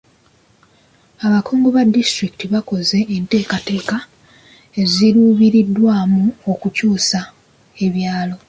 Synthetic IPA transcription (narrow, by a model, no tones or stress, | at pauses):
aβakoːŋɡoβadːistɾikitiβako̞ze̞ːnte̞ːkate̞ːka | e̞ziɾuːβiɾidːwaːmuo̞kucuːsa | e̞βjaːlo̞